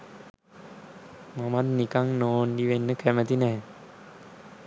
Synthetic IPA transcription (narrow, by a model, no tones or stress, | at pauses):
mamat̪nikaŋnoːnɖiʋenːəkʰæmət̪inɛɦɛ